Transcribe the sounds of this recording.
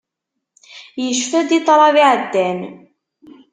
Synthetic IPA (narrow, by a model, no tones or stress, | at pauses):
jəʃfæd̪it̪ˤɾˤɑviʕəd̪ːæn